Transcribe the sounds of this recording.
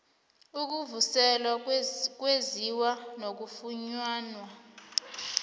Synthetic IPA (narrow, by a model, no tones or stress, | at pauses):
uk̬uvusɛlwak̬weziwanok̬ufuɲwaːnwa